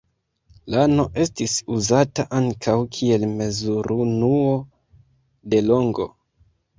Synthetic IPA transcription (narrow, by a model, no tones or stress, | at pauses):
lano̞ʔe̞stisuzataʔaŋkʰawkʰie̞lme̞zuɾʔunuo | de̞lo̞ŋɡo̞̰